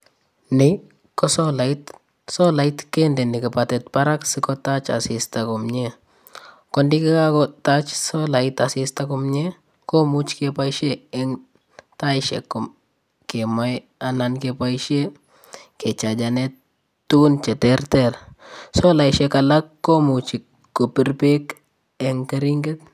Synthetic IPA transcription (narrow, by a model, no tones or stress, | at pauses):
nɪ | kɔsɔlait | sɔlaitkendɛnɪkipatɛt̚paɾaksɪkɔtat͡ʃa̰sistakumɲe | kɔndikikakɔtat͡ʃsolaɪtasistakʊmɲe | komut͡ʃkepajʃeɪŋ | tajʃḛkːʊm | kemaj | anankepajʃe | ket͡ʃad͡ʒane | tːunt͡ʃɛtɛɾtɛɾsolaiʃekalakːomut͡ʃi | kopiɾpek | eŋkaɾiŋɡet